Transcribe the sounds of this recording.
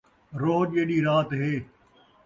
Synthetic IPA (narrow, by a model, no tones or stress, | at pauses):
ɾoːʄeːɗiːɾaːt̪ɦeː